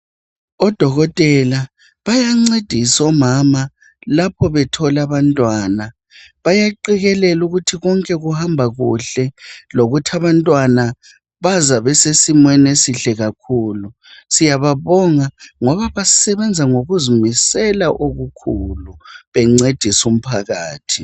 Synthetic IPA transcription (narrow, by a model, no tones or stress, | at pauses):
ɔd̥ʱɔɣɔtʼɛla | βajaŋ͡ǀed̥ʱisɔmama | lapʰɔβɛtʰɔlaβantʼwaːna | βajaǃiɣɛlɛluɣutʰiɣɔŋkʼɛɣuhambʱaɣuɬɛloɣutʰaβantʼwana | βazaβɛsesimwɛnesiɬɛɣakʰuːlu | sijaβaβɔŋaŋɔβaβasɛβɛnd͡zʱaŋoɣuzumisɛlaʔoɣukʰuluβɛŋ͡ǀed̥ʱisum̩pʰaɣaːtʰi